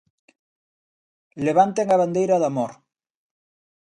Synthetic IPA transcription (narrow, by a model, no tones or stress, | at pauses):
leβ̞ant̪eŋaβand̪ejɾaðamoɾ